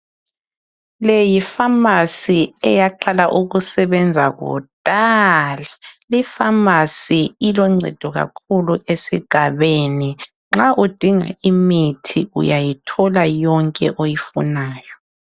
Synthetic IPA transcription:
lejifamasiɛjaǃalaʔuɣusɛβɛnd͡zʱaɣɔ̰d̥ʱʼalalifamasiilɔŋ͡ǀʱɛ̰d̥ʱɔɣa̰kʰuluʔesiɡ̥ʱaβeni | ŋ͡ǁaʔud̥ʱiŋa̰imitʰḭṵjajitʰɔlajɔŋkʼɛʔojifṵnaːjɔ

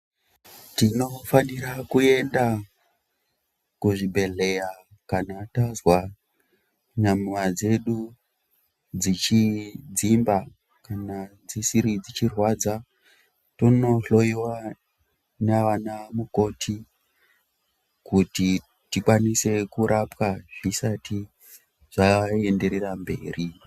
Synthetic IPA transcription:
tino̞faniɾakue̞nda | kuʐibʱe̞ɮe̞ja | kanatazwa | ɲamwad͡ze̞ɗu | d͡zit͡ʃid͡zimba | kanad͡zisiɾid͡zit͡ʃirwad͡za | tono̞ɬo̞iwa | neʋanamuko̞tʰi | kuti | tikwanise̞kuɾʔapwaʐisatʰi | ʐ̥ae̞nde̞ɾe̞rambe̞ːri

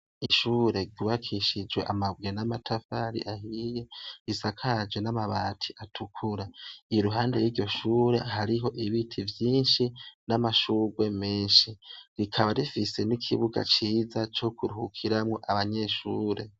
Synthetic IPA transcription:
iʃuːɾe̞ɡuβakʰiʃid͡ʒweʔamaβwenamatʰafaɾḭʔahije̞isakʰad͡ʒwenamaβaːtʰi̥ʔatʰukʰuɾaiɾuɦaːnde̞jwiːɾɟo̞ʃuːɾe̞ɦaɾiɦo̞ʔiβitʰivjiːnʃinamaʃuːɡwe̞meːnʃiɾikʰaβaɾifise̞nikʰiβuɡa̰t͡ʃiːzat͡ʃo̞kʰuɾuhukʰiɾamŋo̞ʔaβaɲe̞ʃuːɾe̞

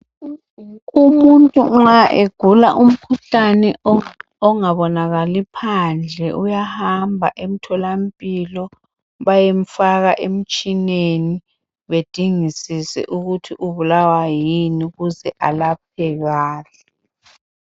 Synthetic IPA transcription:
umuntʼuŋaʔeɡ̥ʱulaʔum̩kʰuɬanɛ | ɔŋaβɔnaɣalipʰand͡ɮʱɛʔujahambʱa̰ʔem̩tʰɔlampʼilɔ | βajeɱ̩faɣaʔem̩t͡ʃʼineni | βed̥ʱiŋisisɛ̰ʔuɣutʰiʔuβulawajiniɣuzɛʔalap̚ʰɛɣaːɬɛ

